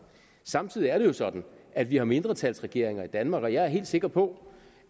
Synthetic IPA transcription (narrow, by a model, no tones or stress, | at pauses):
sɑ̈mt͡sʰið̞̰ˠiæɐɾ̥e̝jo̝sɒ̽d̥n̩æd̥ʋihɑ̈me̝nd̥ʁɐt͡sʰæl̰sʁɛɡ̥e̝ɐ̰e̝ŋɐid̥ænmɑ̈ːɡ̥ɒ̽jɑ̈ɪæɐɦe̝̰ːld̥se̝ɡ̥ɐpʰɒ̽